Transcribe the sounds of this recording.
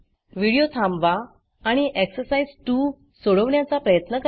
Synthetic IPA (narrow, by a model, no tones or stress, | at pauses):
ʋiɽijot̪ʰãmʋaː | ɽ̃iʔeksəɾsaid͡zʈu | soɭəʋɳjat͡sapɾəjət̪nəkə